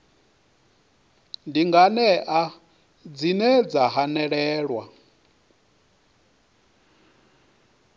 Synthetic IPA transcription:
ndiŋɡanɛʔa | d͡zinɛd͡zaɦanɛɺɛːɺwa

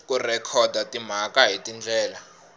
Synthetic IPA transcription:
kʼurɛkʰɔdʱatʼim̤akʼaɦitʼind͡ɮʱɛːla

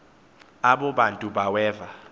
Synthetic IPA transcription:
aɓɔɓantʼuɓawɛːva

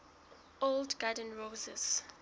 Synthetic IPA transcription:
oldɡadə̃nɹozɛ̰z

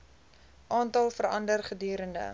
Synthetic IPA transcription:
ʔɑːntɑlˠfəɾɐ̰ndərχədyːɾəndə̰

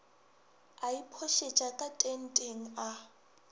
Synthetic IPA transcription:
aipʰɔʃet͡ʃʼakʼatʼen̩tʼeŋ̩a

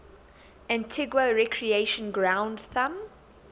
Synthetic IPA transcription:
æ̃ntʰɪɡwəɹɛkʰɹieɪʃə̃nɡɹãʊ̃ndθãm

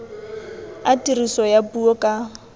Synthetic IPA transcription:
atʼirisɔjapʼuɔkʼa

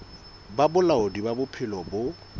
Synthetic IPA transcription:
babʊlaʊdibabʊpʰɪlɔbʊ

